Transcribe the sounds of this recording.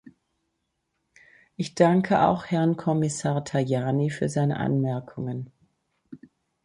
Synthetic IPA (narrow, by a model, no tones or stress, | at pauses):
ʔɪçd̥aŋkʰəʔa̰ʊxhɛʁnkʰɔmɪsaːɐtʰajaːnifyːɐzaɪnə̰ʔa̰nmɛɐkʰʊŋən